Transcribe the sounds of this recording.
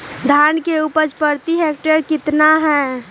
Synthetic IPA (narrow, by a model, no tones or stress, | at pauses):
d̪ʱaːnkeupəɾt͡ʃpəɾt̪iɦɛk̚ʈəɾkɪt̪naɦɛː